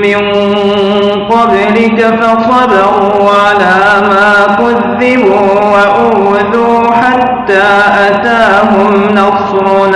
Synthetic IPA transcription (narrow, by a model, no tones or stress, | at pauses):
mɪn | qɑb | lɪkafɑsˤɑdɑɣuːʕalaːmaːkʊðːɪbuː | waʔʊ | ðuː | ħat̪ːaːʔat̪aːɦʊmnɑs | ɾuːn